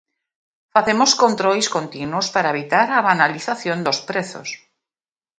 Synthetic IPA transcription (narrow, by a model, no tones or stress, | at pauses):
faθemoskont̪ɾojskont̪inwospaɾaeβ̞it̪aɾaβanaliθaθjõnd̪ospɾeθo̰s